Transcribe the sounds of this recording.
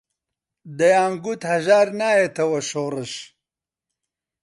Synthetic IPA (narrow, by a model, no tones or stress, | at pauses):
d̪ɐjaːŋɡut̪hɐʒaːɾnaːjet̪ɐwɐɕoːɾəɕ